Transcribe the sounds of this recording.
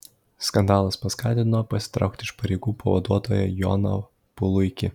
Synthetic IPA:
skɐnd̪ɑːlˠɐspɐskɑːt̪ʲɪnnoːpɐsʲɪ̥t̪ɾɐ̰ʊk̚t̪ʲɪʃpɐɾʲɛɪɡuːpɐʋɐ̰d̪uɔt̪oːjɛjɔ̰no | pʊlˠʊɪkʲɪ

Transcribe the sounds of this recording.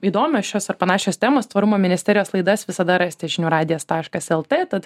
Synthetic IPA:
iːd̪oːmʲoːsʃʲoːsɐrpɐnɑːʃʲoːst̪ʲæːmoːst̪ʋɐɾʊmoːmʲɪnʲɪsʲtʲɛːɾʲɪjoːslˠɐɪd̪ɐsʋʲɪsɐd̪ɐɾɑsʲt̪ʲɪʒʲɪnʲuːɾɑːd̪ʲɪjɛst̪ɑːʃkɐsɛlˠt̪ʲeːt̪ɐt̪

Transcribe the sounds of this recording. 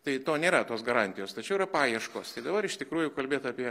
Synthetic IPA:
t̪ɐɪt̪oːnʲeːɾɐt̪oːsɡɐɾɑnʲt̪ʲɪjoːst̪ɐt͡ʃʲɛʊɪrɐpɑːjiɛʃkoːst̪ɐɪd̪ɐbɐɾɪʃt̪ʲɪkɾuːjʊkɐlʲbʲeːt̪ɑːpʲiɛ

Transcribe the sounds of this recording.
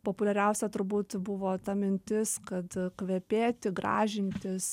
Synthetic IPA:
poːpʊlʲɛɾʲɛʊsʲɛt̪ʊɾbuːt̪bʊʋoːt̪ɐmʲɪnʲt̪ʲɪskɐt̪kʋʲɛpʲeːt̪ʲɪɡɾɑ̰ːʒʲɪnʲt̪ʲɪs

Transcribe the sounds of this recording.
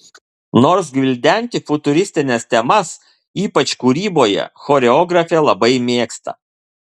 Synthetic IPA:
noːɾsɡʋʲɪlʲd̪ʲæˑnʲt̪ʲɪfʊt̪ʊɾʲɪsʲt̪ʲɪnʲɛst̪ʲɛmɐs | iːpɐt͡ʃkuːɾʲiːboːjɛ̰xɔɾʲɛɔːɡɾɐfʲelˠɐbɐɪmʲeːkst̪ɐ̰

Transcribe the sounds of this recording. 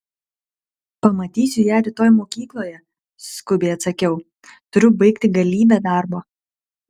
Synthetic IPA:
pɐmɐt̪ʲiːsʲʊjæːɾʲɪt̪oːjmoːkʲiːklˠoːjɛ | skʊbʲɛɪɐt̪sɐkʲɛʊ | t̪ʊɾʲʊbɐɪkt̪ʲɪɡɐlʲiːbʲeːd̪ɑːˑɾboː

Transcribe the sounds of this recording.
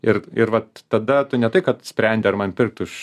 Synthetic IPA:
ɪrɪɾʋɐtt̪ɐd̪ɐt̪ʊnʲɛt̪ɐɪkɐt̪sʲpʲɾʲɛnʲd̪ʲɪɐrmɐnpʲɪrk̚t̪ʊɪʃ

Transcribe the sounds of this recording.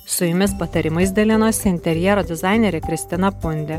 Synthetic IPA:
sʊjʊmʲɪspɐt̪ɐɾʲɪmɐɪsʲd̪ʲɐlʲɪnoːsʲɪɪnʲt̪ʲɛɾʲjɛɾoːd̪ʲɪzɑˑɪnʲɛɾʲɛkɾʲɪsʲt̪ʲɪnɐpʊnʲd̪ʲɛ

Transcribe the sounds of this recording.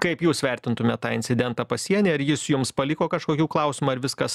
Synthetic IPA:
kɐɪpjuːsʋʲɛˑɾʲt̪ʲɪnt̪ʊmʲɛt̪t̪ːɑːɪnʲtsʲɪd̪ʲɛnt̪ɑːpɐsʲiɛnʲeːɐɾjɪsjʊmspɐlʲɪkoːkɐʃkoːkʲuːklˠɐʊsʲɪmuːɐɾʋʲɪskɐs

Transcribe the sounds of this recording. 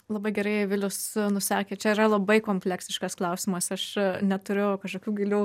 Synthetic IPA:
lˠɐbɐɪɡʲɛɾɐɪʋʲɪlʲʊsnʊsɑːkʲeːt͡ʃʲɛiɾɐlˠɐbɐɪkoːmʲpʲlʲæksʲɪʃkɐsklˠɐʊsʲɪmɐsɐʃnʲɛt̪ʊɾʲʊkɐʃkoːkʲuːɡʲɪlʲuː

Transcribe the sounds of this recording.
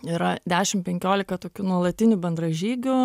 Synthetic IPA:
iɾɐd̪ʲæːʃʲɪmpʲɛŋʲkʲoːlʲɪkɐt̪oːkʲunuɔlˠɐt̪ʲɪnʲʊbʲɛnd̪ɾɐʒʲiːɡʲʊ

